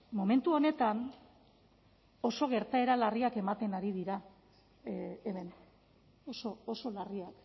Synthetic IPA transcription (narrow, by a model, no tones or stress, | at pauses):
mo̞me̞nt̪uo̞ne̞t̪an | o̞so̞ɣ̞e̞ɾt̪ae̞ɾalariake̞mat̪e̞naɾið̞iɾa | eme̞n | oso̞oso̞lariak